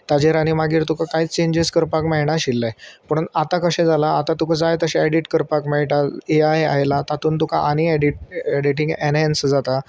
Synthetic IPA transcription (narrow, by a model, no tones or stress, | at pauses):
t̪ad͡ʑeɾaɽ̃imaɡiːɾt̪ukʰakaɦiːt͡st͡ɕeɲd͡ʑeskəɾpakmaɦiɳ̃aɕilːajpəɽ̃unat̪akəɕẽd͡zalaːt̪at̪ukad͡zajt̪əɕẽaɖiʈkəɾpakmaiʈaeaja̰ɦjlat̪at̪uːnt̪ukʰaʔanieɖiʈ̚eɖiʈĩŋɡɛnensd͡zat̪a